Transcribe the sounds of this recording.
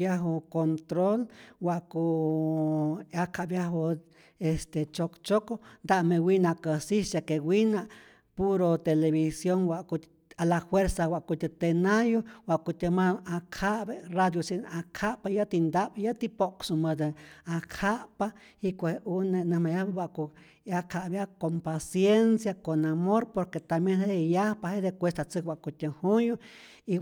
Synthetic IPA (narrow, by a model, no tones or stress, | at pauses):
jaɦokont̪ɾolwaʔkuʔ | akʰaʔbjaɦo | est̪et͡ʃokt͡ʃokond̪aʔmewinakəsisekewinaʔ | puɾot̪eleβisjoŋwaʔku | alahweɾsawaʔkut̪et̪enajowaʔkut̪emaakʰaʔberad̪josinʔakʰaʔpajat̪ind̪abjat̪ipoksumad̪eakʰaʔpa | ikʷehuneʔnəhmajahbewʷaʔku | akʰaʔbjakompasjensjakonamoɾpoɾket̪amjenheejahpahed̪epʷwest̪at͡sɨkwʷaʔkut̪ʲəhujo | i